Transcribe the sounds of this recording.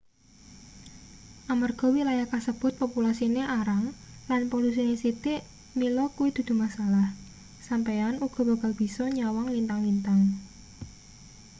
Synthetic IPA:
ʔamarɡ̥ɔ̤wilajakasəb̥ʊ̤t̪̚populasineʔaɾaŋlanpolus̬inesit̪iʔ | milɔkuwid̪̥ṳd̪̥ṳmasalah | sampejanuɡ̥ɔ̤b̥a̤ɡalb̥i̤sɔɲawaŋlint̪aŋlint̪aŋ

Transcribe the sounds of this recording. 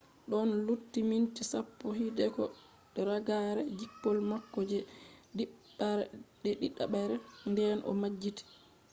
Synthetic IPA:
ɗɔnlutːimintisapːɔɦidɛkɔ | ɗɛɾaɡaɾɛd͡ʒipːɔlmakːɔd͡ʒɛɗiɓ | aɾɛɗɛɗiɗa̰ɓaɾɛndɛnʔɔ̰mad͡ʒːiti̥

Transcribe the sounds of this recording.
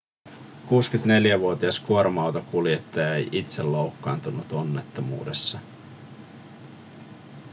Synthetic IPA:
kuːskyt̪ne̞ljæʋuot̪iɑskuoɾmɑwt̪okulje̞t̪ːɑjɑejʔit̪selːo̞wkːɑːnt̪unut̪o̞nːe̞t̪ːomṵːde̞sːɑ

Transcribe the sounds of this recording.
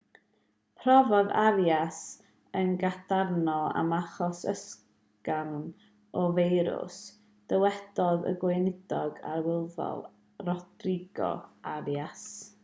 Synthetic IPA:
pʰrɔvɔðaɾjas | ənɡad̥arnɔa̰maχɔsə̰s | kawn | ɔvejɾʊ̰s | d̥əwɛd̥ɔðə̰ɡwenɪd̥ɔɡa̰ɾwɪlˠvɔ̰lˠ | rɔdrɪɡɔ̰aɾjas

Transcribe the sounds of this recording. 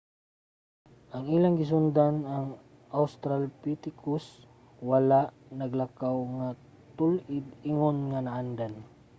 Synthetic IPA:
ʔaŋilaŋɡɪs̬ʊnd̪anaŋ | ʔawst̪ɾalpit̪ɪkʊs | walaʔnaɡlakawŋa | t̪ʊlʔɪd̪ɪŋonŋanaʔand̪an

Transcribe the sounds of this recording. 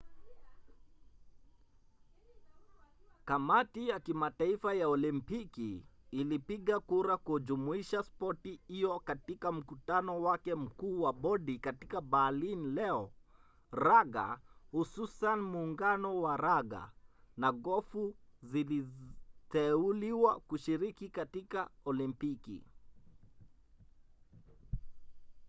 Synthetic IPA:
kamatijakimataifajaɔlimpikiːlipiɠakuɾakud͡ʒumuiʃaspɔtihijɔkatikam̩kutanɔwakɛm̩kuːwaɓɔɗikati̥kabaːlinlɛɔ | ɾaɡa̰hususanmuːŋɡanɔwaɾaɡa̰naɠɔfuzilitɛuliwakuʃiɾikikatikaɔlimpikḭ

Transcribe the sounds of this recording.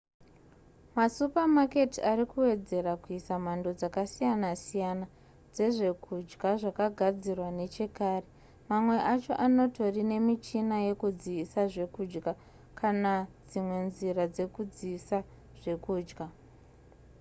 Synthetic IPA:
masupamake̞tiaɾikuwe̞d͡ze̞rakuisam̤ando̞d͡zakasijanasijana | d͡ze̞ʐe̞kʰud͡ʒɡaʐakaɡʱad͡zirwane̞t͡ʃe̞kaːre | mamwe̞ʔat͡ʃo̞̰ʔano̞to̞rine̞mit͡ʃinaje̞kud͡ziːsaʐe̞kuːd͡ʒɡa | kʰanad͡zimwe̞nzirad͡ze̞kud͡ziːsa | ʐ̥e̞kuːd͡ʒɡa

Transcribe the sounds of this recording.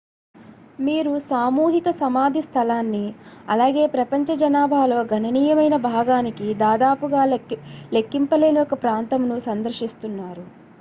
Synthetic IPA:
miːɾusaːmuːɦikɐsɐmaːd̪ʱist̪ʰɐlaːnːiɐ̰laːɡe̞ːpɾɐpɐɲt͡ʃɐd͡ʒɐnaːbʱaːlo̞ːɡʱɐnɐniːjɐmɐjnɐbʱaːɡaːnikid̪aːd̪aːpuɡaːle̞kːimpɐle̞ːniɔkɐpɾaːnt̪ɐmnusɐnd̪ɐɾʃist̪unːaːɾu

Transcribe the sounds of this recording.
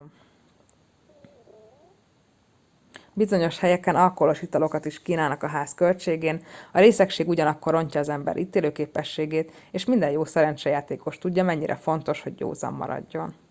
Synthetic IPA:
bizo̞ɲo̞ʃhɛjɛkɛnʔɒlkoloʃit̪ɒlo̞kɒt̪iʃkiːnaːlnɒkɒɦaːskølt͡ʃeːɡeːnɒɾeːsɛkʃeːɡuɟɒnɒkːo̞ɾo̞ɲcɒːzɛmbɛ̰ɾʔiːt̪eːløːkeːpɛʃːeːɡeːt̪ | eːʃmind̪ɛjoːsɛɾɛnt͡ʃɛjaːt̪eːko̞ʃt̪uɟːɒmɛɲːiɾʔɛ̰fo̞nt̪o̞ʃho̞ɟːo̰ːzɒ̰mːɒ̰ɾɒ̰ɟːo̞n

